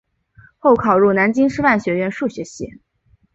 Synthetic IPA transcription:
xo˥˩ʊkʰɑ˨˩ʊɻu˥˩na˧˥nt͡ɕi˥ŋʂɻ̩˥fa˥˩nɕɥɛ˧˥ɥɛ˥˧nʂu˥˩ɕɥɛ˧˥ɕḭ˥˩

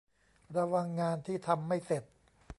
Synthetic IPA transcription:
ɾa˧wa˧ŋːaː˧nt̪ʰiː˥˩t̪ʰa˧mːa˥˩jse˨˩t̪̚

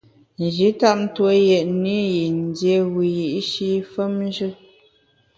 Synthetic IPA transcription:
n˨d͡ʒi˨˦ta˦˨n̩˦two˦jɛ˨ʔni˦ji˨n̩˨˦dje˨wi˨ji˨ʔʃi˦fə˦m˦ʒɨ˦

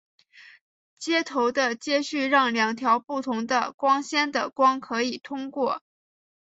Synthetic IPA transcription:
t͡ɕjɛ˥t̪ʰo˧˥ʊd̪ə˧t͡ɕjɛ˥ɕy˥˧ɻɑ˥˩ŋljɑ˨˩ŋt̪ʰjɑ˧˥ʊpu˥˩t̪ʰʊ˧˥ŋd̪ə̰˧kwɑ˥ŋɕjɛ˥nd̪ə˨kwɑ˥ŋkʰɤ˧˥i˨˩t̪ʰʊ˥ŋkwɔ˥˩

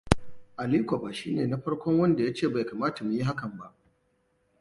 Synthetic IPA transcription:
ʔa˨li˦kʷa˨ba˨ʃiː˦neː˨na˦ɸɐ˦ɽkʷɔ˦ŋwɐ˦nda˨ja˦t͡ʃeː˦˨ba˨jkaː˨maː˦ta˨mu˨ji˦ɦa˦kɐ˨mba˦ʔ

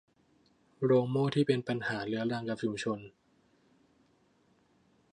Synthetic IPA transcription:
ɾoː˧ŋmoː˥˩t̪ʰiː˥˩pe˧npa˧nhaː˩˦lɯ˩˦ɐɾa˧ŋka˨˩p̚t͡ɕʰu˧ŋt͡ɕʰo˧n

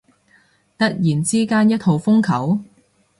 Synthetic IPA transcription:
t̪ɐ˥t̚jiː˨˩nt͡siː˥kaː˥njɐ˥t̚ʰho˨˧wfʊ˥ŋkʰɐ˨˥w

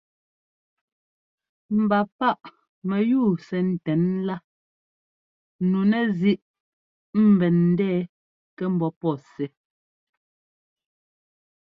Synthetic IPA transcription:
m̩˨ba˨pa˦ʔ | mɛ˨juː˦˨sɛ˨n̩˨tɛ˨˦nla˦ | nu˨nɛ˦zi˦ʔ | m̩˨bɛ˨nn̩˨˦dɛː˦ | kɛ˦m̩˦bɔ˦pɔ˦˨sɛ˨˦

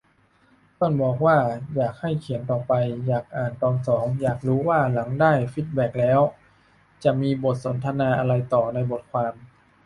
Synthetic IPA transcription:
t̪o˥˩nbɔː˨˩k̚waː˥˩jaː˨˩k̚ha˥˩jkʰi˩˦ənt̪ɔː˨˩pa˧jjaː˨˩k̚ʔaː˨˩nt̪ɔː˧nsɔː˩˦ŋjaː˨˩k̚ɾuː˦˥waː˥˩la˩˦ŋdaː˥˩jfiː˧˥˩t̪̚bɛ˨˩k̚lɛː˦˥w | t͡ɕa˨˩miː˧bo˨˩t̪̚so˩˦nt̪ʰa˧naː˧ʔa˧ɾa˧jt̪ɔː˨˩na˧jbo˨˩t̪̚kʰwaː˧m

